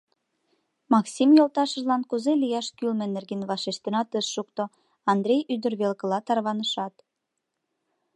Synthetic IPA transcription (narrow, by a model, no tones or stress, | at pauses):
mɑksimjolt̪ɑʃə̆ʒlɑnkuzelijɑʃkylmĕnerɣenβɑʃeʃt̪enɑt̪əʃːukt̪o | ɑnd̪ɾʲejyd̪ərβelkə̆lɑt̪ɑrβɑnəʃɑt̪